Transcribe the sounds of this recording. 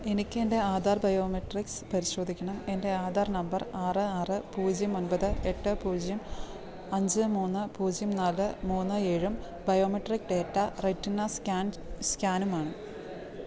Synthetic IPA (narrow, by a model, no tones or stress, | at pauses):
e̞nikʲːe̞nde̞aːd̪ʱaːrbɐjoːmiʈrikspɐɾiɕro̞ːd̪ʱikʲːɐɳɐme̞nde̞aːd̪ʱaːrnɐmbɐraːrɨaːrɨpuːd͡ʑjɐmo̞nbɐðɨe̞ʈːɨpuːd͡ʑijɐm | ɐɲd͡ʑɨmuːnːɨpuːd͡ʑjɐmnaːlːɨmuːnːɨe̞ːɻum | bɐjo̞ːmiʈrik̚ɖe̞ːʈːɐretːinːɐskaːn | skʲaːnumaːɳɨ